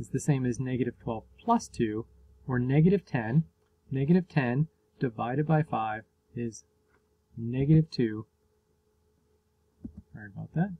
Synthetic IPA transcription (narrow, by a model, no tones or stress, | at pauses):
ɨzðɨsẽɪ̃mɨznɛɡɨɾɨv̥tʰw̥ɛlˠv̥pʰl̥ʌstʰʉ | ə˞nɛɡɨɾɨv̥tʰɛ̃nː | ɛɡɨɾɨv̥tʰɛ̃n | d̥ɨvaɪɾɨd̚baɪfaɪv | ɪz | nɛɡɨɾɨv̥tʰʉ | hə̃˞nbaʊt̪̚ðæt̚